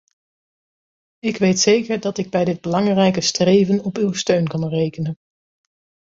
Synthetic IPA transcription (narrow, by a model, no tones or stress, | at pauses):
ɪkʋejtsejkəɹdɑtɪɡ̚bɛjdɪd̚bəlɑŋrɛjkəstrejvənɔpywstøɥnkɑnrejkənən